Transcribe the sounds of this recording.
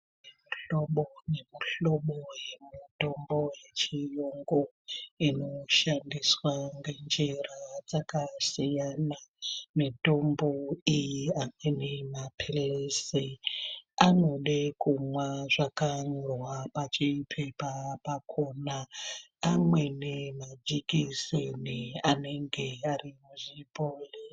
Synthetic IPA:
muɬoɓone̞muɬoɓojemutomboje̞t͡ʃijoŋɡo | ino̞ʃandiswaŋɡe̞nd͡ʒerad͡zakasijanamitomboijiamenimapʰelese | ano̞ɗekumwaʐakanurwapat͡ʃipʰepapakʰonaː | mwe̞nemad͡ʒikiseniane̞ŋɡe̞arimuʐibʱoːle

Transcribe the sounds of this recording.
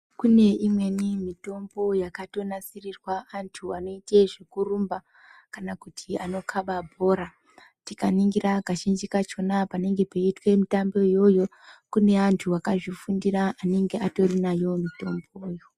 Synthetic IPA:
kune̞imwe̞nimito̞mbo̞jakato̞nasirirwaːntʰuano̞ite̞ʐikurumba | kanakutʰiano̞kʰaɓabʱo̞ːɾa | tikaniŋɡiɾakaʃind͡ʒikat͡ʃo̞napane̞ŋɡe̞peitwe̞mitambejo̞jo̞ | kune̞antʰuakaʐifundiɾaʔːne̞ŋɡe̞ato̞rinajo̞mito̞mbojo

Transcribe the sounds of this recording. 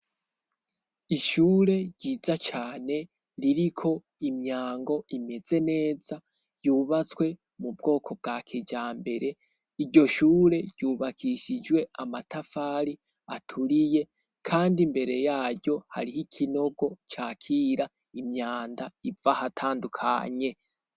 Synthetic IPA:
iʃuːɾe̞ɾɟiːzat͡ʃaːne̞ | ɾiɾikʰo̞ | imɲaːŋɡo̞ime̞ze̞ne̞ːza | juːβat͡skwe̞ | mub̚ɡo̞ːkʰo̞b̚ɡakʰed͡ʒaːmbe̞ɾe̞ | iɾɟo̞ʃuːɾe̞ɟ̥ɟ̥uːβakʰiʃid͡ʒwe̞amatafaːɾi | atʰuɾije̞ | kʰaːndimbe̞ɾe̞jaːɾɟo̞ha̰ɾihikʰino̞ɡo̞t͡ʃaːkʰiːɾa | imɲaːndaivahatʰaːndukʰa̰ɲe̞

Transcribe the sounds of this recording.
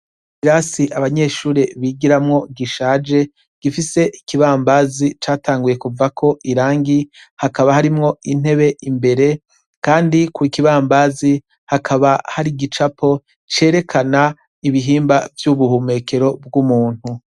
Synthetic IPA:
iɾasiʔaβaɲe̞ːʃuːɾeβiɡiɾamŋo̞ɡiʃaːd͡ʒe̞ | ɡ̥ifise̞ʔikiβaːmbazit͡ʃaːtʰaːŋɡuje̞kuvakʰo̞ʔiɾaːŋɡi | hakaβahaɾimŋo̞in̥he̞βe̞ʔimbe̞ɾe̞ | kaːndikuikiβaːmbazi | hakʰaβahaɾiɡit͡ʃapʰo̞ | t͡ʃe̞ːɾe̞kʰana | iβiɦiːmbavjuβuhume̞kʰe̞ɾo̞b̚ɡumuːn̥hu

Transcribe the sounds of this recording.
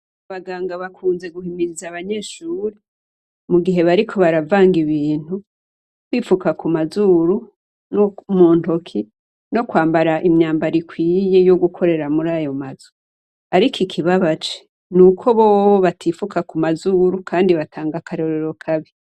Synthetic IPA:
aβaɡaːŋɡaβakʰuːnze̞ɡuhimiɾizaβaɲe̞ːʃuːɾe | muɡiɦe̞βaɾikʰo̞βaɾavaːŋɡiβiːn̥hu | kwiːfukakumazuːɾu | nomuːnto̞kʰi | no̞kwaːmbaɾaʔimɲaːmbaɾikwiːje̞jo̞ɡukʰo̞ɾe̞ɾamuɾajo̞maz̥o̥ | aɾikʰikʰiβaβat͡ʃe̥ | nukʰo̞βooβatʰifukakumazuːɾukʰaːndiβatʰaːŋɡakʰaɾo̞ɾeɾo̞kʰaβi

